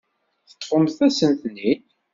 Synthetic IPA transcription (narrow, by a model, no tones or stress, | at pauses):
θə̥t̪ːχʊmθæsənt̪ənhin